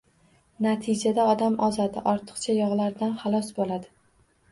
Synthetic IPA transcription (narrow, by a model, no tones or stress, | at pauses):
nat̪ʰɪd͡ʒad̪aɒd̪amɒzad̪ɪʔɒɾt̪ʰɨ̥qt͡ʃʰajɒʁlaɾd̪anχɑlˠɒsbolad̪ɪ